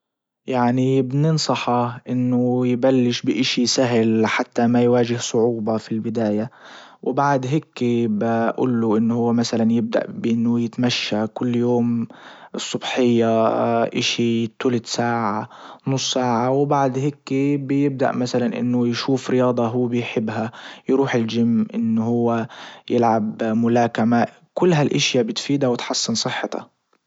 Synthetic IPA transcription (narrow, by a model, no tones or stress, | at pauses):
jaʕnibnɪnsˤɑħɑʔɪnːʊjbalːɪʃbɪʔɪʃisaɦlħat̪ːamajwaːʒɪhsˤʊʕuːbɑfilbɪd̪aːja | wbaʕd̪ɦeːkːibaʔṵːlːuʔɪnːhʊwːmasalanjɪb̚d̪a̰ʔbʔɪnːʊjɪt̪maʃːakʊlːjoːmɨsˤːʊbħɪjːaʔɪʃit̪ːuːlɪt̪saːʕanʊsˤːaːʕawbaʕd̪hekːibɪjɪb̚d̪a̰ʔmasalanʔɪ̰nːʊjʃuːfɾɪjɑːd̪ˤɑɦʊwːbɪjħɪbːɦajɾuːħɪld͡ʒɪmːʔɪnːʊhʊwːajɪlʕabmʊlaːkama | kʊlːɦalʔɪʃjabɪt̪fiːd̪awɪt̪ħɑsˤːɨnsˤɨħːɑt̪ʰɑ̰